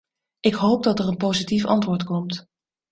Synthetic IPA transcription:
ʔɪkɦowp̚dɑtərənpowzitifɑ̰ntʋʊːɹtkɔmt

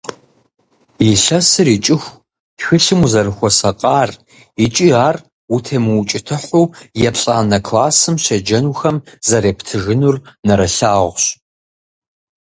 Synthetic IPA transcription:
iɬɐsɨɾiːt͡ʃʼɪxʷ | ɕʷɨɬɨmuzɐrɨxʷɔsɐqʼɑːr | it͡ʃʼiaːr | utʰeːmɨt͡ʃʼɪtʰɨħʷuːjɛpɬʼaːnɐkʰlaːsɨmɕɐd͡ʒɐnuxɐmzɐɾeːptʰɨʒɨnurnɐɾɐɬaːʁʷɕ

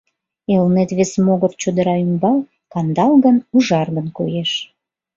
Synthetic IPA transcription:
elnet̪βesmoɣərt͡ɕod̪əɾɑymbɑl | kɑnd̪ɑlɣənuʒɑrɣənkojeʃ

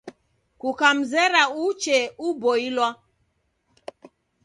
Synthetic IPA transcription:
kukam̩zɛɾaut͡ʃɛubɔilwa

